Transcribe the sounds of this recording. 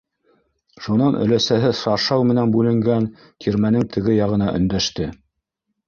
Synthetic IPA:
ʃunɑnʔɵ̰̆læsæɦɘsɑʃɑwmɘ̆nænbʉlɘ̆ŋɡæn | t̪ʲʰiɾmænɘŋt̪ʰɘ̆ɡɘjɑʁɤ̆nɑʔɵ̆nd̪æʃt̪ɘ

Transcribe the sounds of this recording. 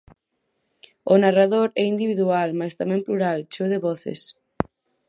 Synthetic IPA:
ʊnaraðoɾɛind̪iβiðualmast̪amɛ̃ŋpluɾalt͡ʃoðɪβɔθḛs

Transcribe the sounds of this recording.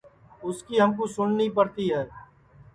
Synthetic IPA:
ʊskiɦɐmkosʊnːipɐɾt̪iɦɛː

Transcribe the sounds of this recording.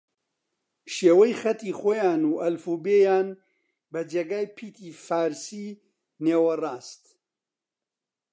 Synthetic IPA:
ʃeːwɐjxɐt̪iːxoːjaːnuːʔɐlfuːbeːjaːn | bɐd͡ʒeːɡaːjpʰiːt̪ʰiːfaːɾsiː | neːwɐraːst̪

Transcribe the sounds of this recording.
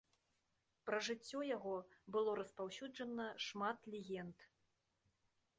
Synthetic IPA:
pɾɐʐɨt͡sʲːɔjaɣɔbɨlˠɔɾɐspawsʲud͡ʐɐnɐʂmat̪lʲɛɣʲɛnt̪

